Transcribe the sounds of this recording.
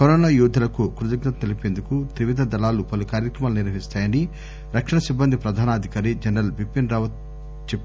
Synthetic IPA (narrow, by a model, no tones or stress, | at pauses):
kɐɾɔːnaːjuːd̪ʱɐlɐkukɾud̪ɐɡnɐt̪ɐt̪elipe̞ːnd̪ukut̪ɾiʋid̪ʱɐd̪ɐlaːlupɐlukaːɾjɐkɾɐmaːluniɾʋɐɦist̪aːjɐni | ɾɐkʂɐɳɐsibːɐnd̪ʱipɾɐd̪ʱaːnɐːd̪ʱikaːɾid͡ʒɐnɾɐlbipːinɾaːʋɐt̪̚ | t͡ʃepː